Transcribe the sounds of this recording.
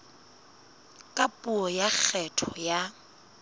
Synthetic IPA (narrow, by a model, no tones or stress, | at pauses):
kʼapʼʊɔjak͡xʰɛtʰɔja